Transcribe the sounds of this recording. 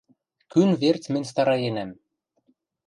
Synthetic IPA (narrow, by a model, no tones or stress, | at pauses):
kynvert͡sʲmɘ̆nʲs̬t̪ɑɾɑjenæm